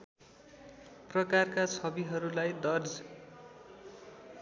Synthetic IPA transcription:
prʌkarkasʰʌbiɦʌɾulajd̪ʌrd͡z

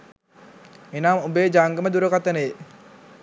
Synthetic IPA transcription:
enaːmubeːd͡ʒaŋɡəməd̪uɾəkat̪ənəe

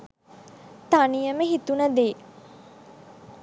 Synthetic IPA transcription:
t̪anijəməɦit̪unɐd̪eː

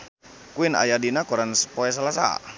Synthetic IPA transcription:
kuina̰jadinakuɾanspoɛs̬alasa̰

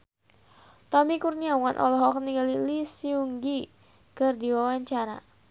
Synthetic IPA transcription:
t̪ɔmikurniawanʔɔ̰lɔɦɔk̚niŋɡalilisiuŋɡi | kɨrdiwawaɲt͡ʃaɾa̰

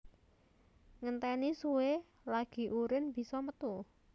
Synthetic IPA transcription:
ŋənt̪ɛnisuwe | laɡ̥i̤ʔuɾɪnb̥i̤sɔmət̪u

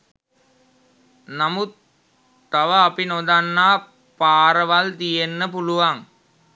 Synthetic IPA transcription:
namut̪ː | aʋəapinod̪anːaː | paːɾəʋalt̪ijenːəpuluʋaŋ

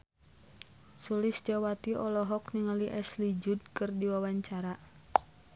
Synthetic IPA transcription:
sulɪsd͡ʒawat̪iʔɔlɔɦɔk̚niŋaliʔɛslid͡ʒud̚kɨrdiwawaɲt͡ʃaɾa

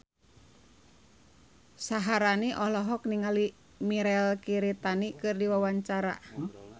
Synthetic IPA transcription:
saɦaɾaniʔɔlɔɦɔk̚niŋali | miɾɛlkiɾit̪anikɨrdiwawaɲt͡ʃaɾa̰

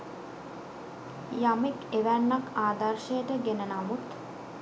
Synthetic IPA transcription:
jamekeʋænːakaːd̪ɐrʃəjəʈəɡenənamut̪

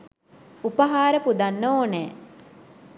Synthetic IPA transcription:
upəɦaːɾəpud̪anːooːnɛː

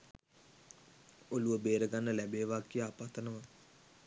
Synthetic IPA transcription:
oluʋəbeːɾəɡanːəlæbeːʋakːijəapat̪ənəʋə

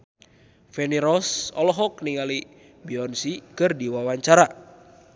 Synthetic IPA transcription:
fɛniɾɔsɔ̰lɔɦɔk̚niŋali | biɔnsikɨrdiwawaɲt͡ʃaɾa

